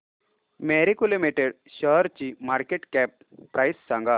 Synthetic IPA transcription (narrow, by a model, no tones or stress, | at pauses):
meɾikulimiʈeɽ | ɕəɦɾt͡ɕimaɾkeʈkɛp̚ː | ɾʔajsːaŋɡa